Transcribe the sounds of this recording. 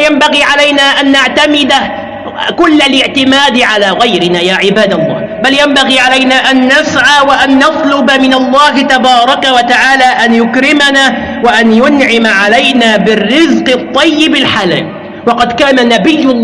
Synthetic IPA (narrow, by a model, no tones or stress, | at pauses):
jambaɣiːʕalajnaːʔanːaʕt̪amɪd̪a | kʊlːalɪʕt̪ɪmaːd̪ɪʕalaːɣajɾɪnaːjaːʕɪbaːd̪alˤːɑ̰ːhbaljambaɣiːʕalajnaːʔanːasʕaːwaʔanːɑt̪ˤlʊbamɪnalˤːɑːɦɪt̪abɑːɾˤɑkawat̪aʕaːlaːʔanjʊkɾɪmanaː | waʔanjʊnʕɪmaʕalajnaːbɪrːɪzqt̪ˤːɑjːɪbɪlħala̰ːl | wɑqɑd̪kaːnanabɪjːʊ